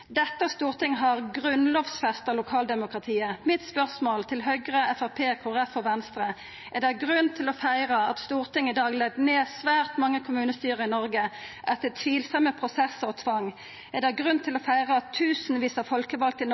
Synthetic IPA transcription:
d̪ɛt̪ːəst̪uːʁt̪ʰɪŋːɦɑʁɡʁʉnloːʋsfɛst̪ɑlʊkʰɑːld̪ɛmʊkʁɑt̪ʰiːəmɪt̪spœʁsmoːlt̪ʰɪlɦœʏɡʁəɛfæʁpʰeːkʰʊʁɛfɔʋɛnst̪ʁə | ʔɛd̪æɡʁʉnt̪ʰɪlɔfæɪɾəɑt̪st̪uːʁt̪ɪŋːɪd̪ɑːɡlɛɡ̚d̪neːsʋæːʁt̪mɑŋːəkʰʊmʉːnəst̪yːʁəɪnɔɾɡəʔɛt̪ːət̪ʰʋiːlsɑməpʰʁʊsɛsɔːt̪ʰʋɑŋː | ɛd̪æɪɡʁʉnt̪ʰɪlɔfæɪʁəɑt̪ʰːʉːsn̩ʋiːsɑfɔlkəʋɑlk̚t̪ɪn

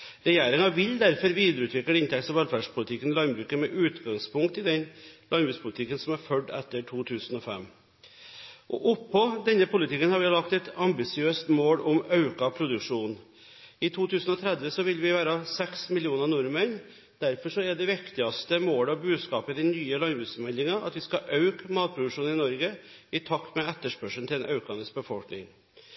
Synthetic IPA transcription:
ɾɛjeːɾɪŋɑʋɪld̪æɾfɔɾʋiːd̪əɾəʉːt̪ʰʋɪk̪ɪnt̪ʰɛksɔʋɛlfæɖʂpʰʊlɪt̪ʰɪkːənɪlɑnbɾʉːkəmɛʔʉːt̪ɡɑŋspʰʊŋkt̪ɪd̪ɛnlɑnbʉːspʰʊlɪt̪ʰɪkːənsɔmæɾfœɖɛt̪ːəʈʰuːt̪ʰʉːsənɔfɛ̰mː | ʔɔ̰ʔʊpʰːɔd̪ɛnːəpʰʊlɪt̪ʰɪkːənhɑɾʋɪjlɑkt̪ɛt̪ɑmbɪsɪøːst̪moːlɔmɑʉkɑpʰɾʊd̪ʉkʂuːn | ɪt̪ʰuːt̪ʰʉːsənɔt̪ʰɾɛd̪ʋəsɔʋɪlʋɪʋæːɾɑsɛksmɪlɪuːnənʊɾməɳ | d̪̥æɾfɔʂɔɛɖɛʋɪkt̪ɪɑst̪əmoːlɑʋbʉːd̪skɑːpəd̪ɛnyːəlɑnɡɪsmɛlːɪŋɑʔɑ̰t̪ʋɪskɑʔɑʉkmɑːt̪̚pʰɾʊd̪ʉʂuːnɪnɔɾɡə | ɪt̪ʰɑkt̪mɛɛt̪ːəʂpœʂn̩ʰɪlɛnʔɑʉkɑnɪs̚bəfɔlknɪ̰ŋ

